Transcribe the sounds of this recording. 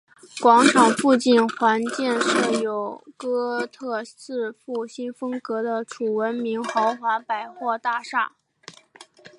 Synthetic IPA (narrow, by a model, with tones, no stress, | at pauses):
kwɑ˧˥ŋʈ͡ʂʰɑ˨˩ŋfu˥˧t͡ɕi˥˩nxwa˧˥nt͡ɕjɛ˥˧nʂɻ̩˥˩jo˨˩ʊkɤ˥t̪ʰɤ˥˧t͡sɹ̩˥˧fu˥˩ɕi˥nfɤ˥ŋkɤ˧˥d̪ə˧ʈ͡ʂʰu˨˩wə˧˥nmi˧˥ŋxɑ˧˥ʊxwa˧˥npa˨˩ɪxwɔ˥˧t̪a˥˧ʂa˥˩